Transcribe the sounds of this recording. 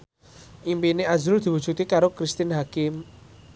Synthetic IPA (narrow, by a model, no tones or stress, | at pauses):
ʔimpineazʊld̪̥i̤wu̥d͡ʒut̪ikaɾokɾist̪ɪnɦakɪm